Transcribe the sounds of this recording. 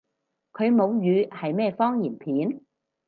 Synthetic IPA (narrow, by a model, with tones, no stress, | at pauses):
kʰɵ˨˧ɥmo˨˧wjyː˨˧hɐ˨jmɛː˥˩fɔː˥ŋjiː˨˩npʰiː˨˥n